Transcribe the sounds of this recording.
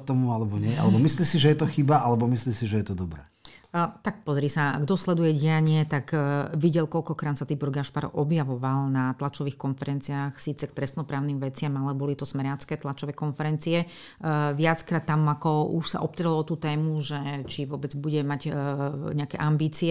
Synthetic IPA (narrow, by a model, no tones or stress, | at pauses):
t̪ɔmualɛbɔɲɪɛʔa̰lɛbɔmislisiʒɛjɛt̪ɔxibaʔalɛbɔmisliːmsiʒɛjɛt̪ɔd̪ɔbɾɛ̰ː | t̪ak̚pɔzɾiːsaɡd̪ɔslɛd̪ujɛɟijaɲɪɛt̪akʋiɟɛlkɔʎkɔkɾaːnsat̪ibɔɾɡaʃpaɾɔ̰ʔɔbjaʋɔʋalnat̪lat͡ʃɔʋiːxkɔnfɛɾɛnt͡siaːxsiːt͡sɛk̚t̪ɾɛst̪nɔpɾaːʊnimʋɛt͡sɪamalɛbɔlit̪ɔsmɛɾjat͡skɛːt̪lat͡ʃɔʋɛːkɔnfɛɾɛnt͡siɛ | ʋɪat͡skɾaːt̪ːamakɔṵʃsa̰ʔɔpt̪ɾɛlɔɔt̪uːt̪ɛːmuʒɛt͡ʃiʋʊɔbɛd͡zbuɟɛmaɟɲɛakɛʔambiːt͡siɛ